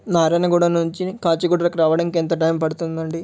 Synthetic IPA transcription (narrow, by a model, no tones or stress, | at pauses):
naːɾɐnɐkuːɽɐnuɲt͡ʃikaːt͡ʃiɡuɖɐɾɐkɾaːʋɐɽɐŋkent̪ɐʈɐjmpɐɽut̪und̪ɐɳɖi